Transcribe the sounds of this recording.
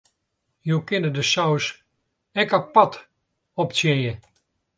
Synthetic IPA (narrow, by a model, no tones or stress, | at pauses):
juwkɪnədəsɔws | ɛkapɑt | ɔp̚t͡ssjɪnjə